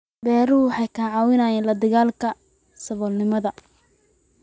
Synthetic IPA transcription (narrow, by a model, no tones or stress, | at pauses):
bɛːɾʊwħɑjkʰɐʕɑːwɪnaːjɛnlɐd̪ɪɣaːlkʰɐ | sɐβɔlnɪmɐðɐ